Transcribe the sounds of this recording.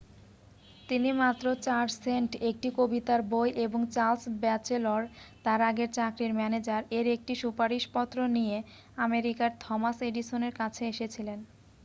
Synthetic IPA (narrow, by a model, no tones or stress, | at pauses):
t̪inimat̪ːɾot͡ɕaɾɖseɳʈek̚ʈikobit̪aɾbojʔeboŋt͡ɕalsbɛt͡ɕeloɾt̪aɾaɡeɾt͡ɕakɾiɾmɛned͡ʑaɾeɾek̚ʈiʃupaɾiʃpɔt̪ːɾonije | ameɾikaɾt̪ʰɔmaseɖiʃoneɾkat͡ɕʰeeʃet͡ɕʰilen